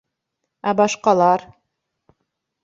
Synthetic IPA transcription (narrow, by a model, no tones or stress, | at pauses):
æbɑʃqɑlˠɑɾ